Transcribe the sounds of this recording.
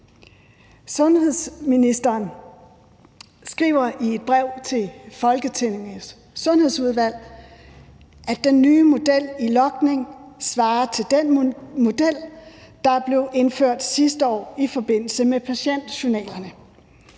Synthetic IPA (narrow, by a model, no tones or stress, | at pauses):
sɔ̽nhe̝ð̰ˠsminisd̥ɐːn | sɡ̥ʁiʊɐʔie̝d̥̚b̥ʁɛʊ̰t͡sʰe̝lfɒ̽lɡ̥ət͡sʰeneŋəsː | ɔ̽nhe̝ðˠsuð̞ˠʋæl̰ | ʔæ̥enːyːmo̝d̥el̰ilɒ̽ɡ̥ne̝ŋsʋɑ̈ːt͡sʰe̝ld̥enmo̝d̥el̰d̥ɑ̈b̥le̝ʊʔe̝nføɐ̰d̥sisd̥əɒ̰ːifɒ̽b̥e̝n̰l̩səmepʰæɕen̰d̥ɕo̝nɛ̰ːlɐnə